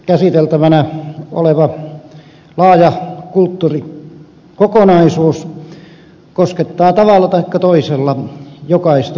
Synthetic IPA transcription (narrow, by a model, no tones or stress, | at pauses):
kæsit̪elt̪æʋænæo̰leʋɑ | lɑːjɑkult̪ːuːri | kokonɑisuːs | kosket̪ːɑːt̪ɑʋɑlːɑt̪ɑikːɑt̪oiselːɑjokɑist̪ɑ